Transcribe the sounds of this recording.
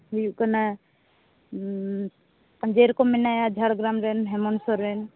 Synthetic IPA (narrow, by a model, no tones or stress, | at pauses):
ɦujuʔkana | d͡ʒeɾkɔminajad͡ʒʱaɾɡɾamɾɛnɦɛmɔnsɔɾːɛn